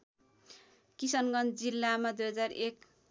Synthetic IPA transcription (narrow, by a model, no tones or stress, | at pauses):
kisʌnɡʌnd͡zilːamad̪ujɦʌd͡zarek̚